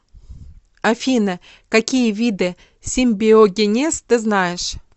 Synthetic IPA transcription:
afʲinə | kakʲijəvʲid̪ɨ | sʲɪmʲbʲɪoɡʲɪnʲest̪ɨznajɪʂ

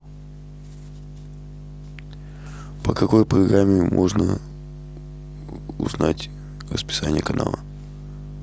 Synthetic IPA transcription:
pəkɐko̞jpɾɐɡramʲːɪmʔo̞̰ʐnə̰ | ʊ̰znatʲ | rəspʲɪ̥sanʲɪjəkɐna̰lˠə̰

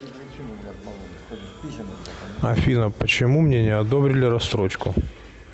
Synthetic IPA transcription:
ɐfʲinəpət͡ɕɪmumnʲenʲɪɐd̪obɾʲɪlʲɪɾɐst̪ɾot͡ɕkʊ

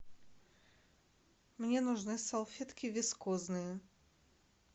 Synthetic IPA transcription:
mnʲenʊʐnɨsɐlˠfʲet̪kʲɪvʲɪskɔznɨjə

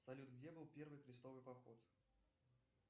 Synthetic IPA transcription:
sɐlʲut̪ɡdʲebɨlˠpʲe̞rvɨjxɾʲɪst̪ovɨjpɐxo̞t̪

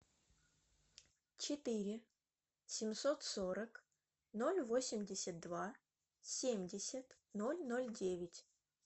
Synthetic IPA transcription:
t͡ɕɪt̪ɨɾʲɪ | sʲɪmso̞t̪soɾək | no̞lʲvo̞sʲɪmʲdʲɪsʲət̪̚d̪va | sʲemʲdʲɪsʲət̪ | no̞lʲno̞lʲdʲevʲɪtʲ

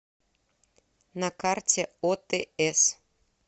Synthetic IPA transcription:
nɑkɑrtʲeot̪eɛs

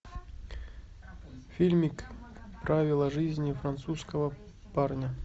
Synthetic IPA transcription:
fʲilʲmʲikpɾʔavʲɪlˠəʐɨzʲnʲɪfɾant̪suskəvə | parnʲə

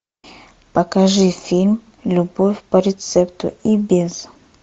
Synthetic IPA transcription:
pɐkɐʐɨfʲilʲm | lʲubofʲpɐɾʲɪt̪sɛpt̪ʊ̰ibʲez

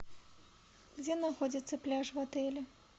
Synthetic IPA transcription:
ɣd͡zʲɛnaxɔd͡zʲit̪sːɐplʲaʂvat̪ɛlʲɛ

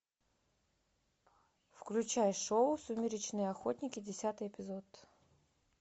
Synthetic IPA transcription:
fklʲʉt͡ɕajʂoʊsʊmʲɪɾʲɪt͡ɕnɨjəɐxotʲnʲɪkʲɪdʲɪsʲat̪ɨjepʲɪzot̪

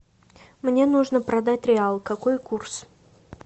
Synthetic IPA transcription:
mnʲe̞nuʐnəpɾɐd̪atʲɾʲɪalˠkɐkojkurs

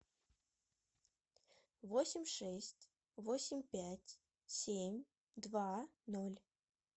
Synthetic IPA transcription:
vosʲɪmʲʂɛsʲtʲ | vosʲɪmʲpʲætʲ | sʲemʲ | d̪vanolʲ

